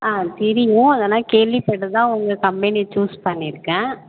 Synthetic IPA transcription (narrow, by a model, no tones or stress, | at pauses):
aːt̪ɪɾɪjʊ̃ɐðɐlãːkeːlʋipɛɽːɯt̪ãːʊŋɡɐkɐmpɛnit͡ʃuːspɐɳːɪɾɯkːɛ̃ː